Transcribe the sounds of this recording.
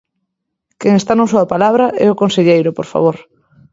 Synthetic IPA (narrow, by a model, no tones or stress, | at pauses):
keŋest̪anosoapalaβ̞ɾaʔɛokonseʎejɾʊpoɾfa̰β̞oɾ